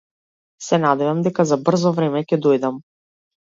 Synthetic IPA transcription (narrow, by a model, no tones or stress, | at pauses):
sɛnad̪ɛvamd̪ɛkazabr̩zɔvɾɛmɛcɛd̪ɔjd̪am